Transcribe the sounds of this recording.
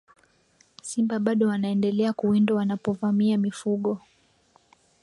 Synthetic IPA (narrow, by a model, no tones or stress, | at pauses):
simbaɓaɗɔwanaɛndɛlɛakuwindɔwanapɔvamiamifuɠɔ